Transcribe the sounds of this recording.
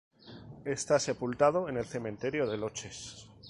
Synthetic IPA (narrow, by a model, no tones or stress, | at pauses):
e̞st̪ase̞pult̪að̞o̞e̞ne̞lθe̞mẽnt̪e̞ɾjo̞ðe̞lo̞t͡ʃe̞s